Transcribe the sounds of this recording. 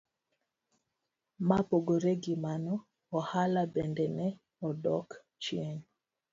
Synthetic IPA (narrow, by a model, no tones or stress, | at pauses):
mapoɡoɾeɡimanɔ | ɔhalabɛndɛnɛ | ɔdɔk | t͡ʃien